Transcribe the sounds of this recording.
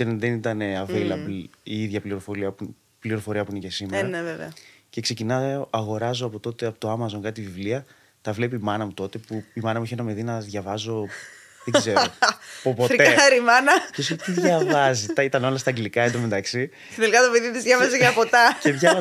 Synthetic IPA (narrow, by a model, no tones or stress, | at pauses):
inðenit̪ɐne̞ɐvilɐiiðʝɐpliɾo̞fo̞ɾiɐpu | pliɾo̞fo̞ɾiɐpuinece̞simeɾɐneveveɐce̞kse̞cinɐɐɣo̞ɾɐzoɐpo̞t̪o̞t̪e̞ɐpot̪oɐmɐzo̞nkɐt̪it̪ivivliɐ | t̪ɐvle̞piːmɐnɐmut̪o̞t̪e̞puimɐnɐmueçenɐmeðinɐðʝɐvɐzo̞ | ðeɡɡzeɾopopo̞tɾeaɾimɐnɐest̪iðʝɐvɐzit̪ɐit̪ɐno̞lɐst̪ɐɡlikɐed̪omed̪ɐksi | tinelikɐt̪opeðit̪izðʝɐvɐzeɣɐpot̪ɐce̞ʝɐ